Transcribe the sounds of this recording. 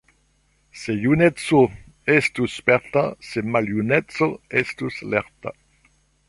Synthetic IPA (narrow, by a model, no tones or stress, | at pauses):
sejunɛt̪so | est̪uspɛʁt̪asemaljunɛtsoest̪uslɛʁt̪a̰